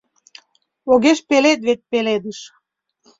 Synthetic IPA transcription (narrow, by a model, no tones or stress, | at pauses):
oɣeʃpelet̪βet̪̚peled̪əʃ